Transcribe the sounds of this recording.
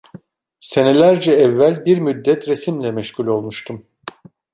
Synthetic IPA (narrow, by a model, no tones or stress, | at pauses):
se̞ne̞lʲæɾd͡ʒɛɛvːælʲbiɾmyd̪ːɛt̪ʰɾe̞simlʲɛmɛʃcylʲo̞lˠmuʃt̪ʰum